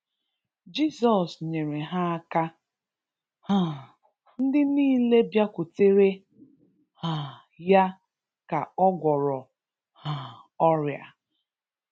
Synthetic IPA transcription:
d͡ʒi˦sɔ˨sɲe˨ɾe˨ɦa˦a˦ka˦ | ha˨ | n̩˦dɪ˦niː˦le˦bja˦kʷu˨te˦ɾe˦ | ha˨ | ja˦ | ka˨ɔ˦ɡʷɔ˨ɾɔ˨ | ha˨ | ɔ˦ɾja̰˨

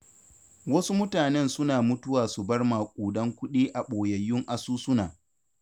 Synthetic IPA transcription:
wɐ˦su˦mʊ˦taː˨nɛ˦nsʊ˦naː˨mʊ˦tʊ˦waː˨su˨bɐ˦rmaː˨kʷʼuː˨dɐ˦ŋkʷʊ˦ɗiː˦ʔa˨ɓoː˨jɐ˨jːʊ˦ŋʔa˨suː˦sʊ˦naː˨

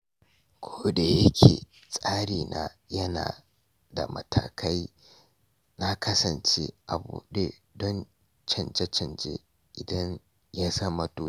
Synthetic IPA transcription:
kʷʰoː˦da˨jɐ˦kʲʰḛː˨ | sʼaː˦ɽiː˨nʔa˨ | jɐ˦na̰ː˨ | da̰˨mɐ˨tʰa̰ː˨kʰa˦j | na˦kʰɐ˦sɐ˨nt͡ʃḛ˦ʔa˨bṵː˨ɗe˦dɔ˦n | t͡ʃɐ˨nd͡ʒe˦t͡ʃɐ˨nd͡ʒḛ˦ | ʔɪ˨dɐ˦n | ja˦sɐ˦mɐ˨toː˦

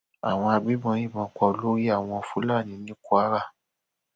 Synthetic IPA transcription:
a˨w̃ɔ̃˧a˧bi˨˦bɔ̃˧˦jĩ˦˨mɔ̃˨˦kɔ˧o˧lo˦ɾi˦a˦˨w̃ɔ̃˧ɔ˧fũ˦la˦˨nĩ˨˦nĩ˦ku˦a˦ɾa˦˨

